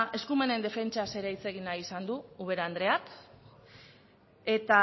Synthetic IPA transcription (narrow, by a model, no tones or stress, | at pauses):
e̞skume̞ne̞nd̪e̞fe̞nt͡ʃase̞ɾajt͡se̞ɣ̞inaisand̪uuβe̞ɾand̪ɾe̞ak | e̞t̪a